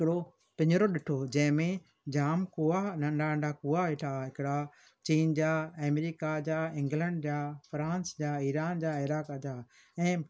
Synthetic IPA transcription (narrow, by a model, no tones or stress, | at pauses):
ɪkɪɽo | pɪ̃ɲɾoɗɪʈʰod͡ʑɐ̃ɦɪ̃mẽ | d͡ʑaːmkuanɐ̃ɳɖaə̃ɳɖakuaʋeʈʰaɦɪkɪɽa | t͡ɕiːnd͡ʑaːɛːmɾiːkad͡ʑaːɪ̃ŋɡlɛ̃ɳɖd͡ʑaːfɾãːnsd͡ʑaːiːɾaːnd͡ʑaɪɾaːkad͡ʑaː | ɛ̃ː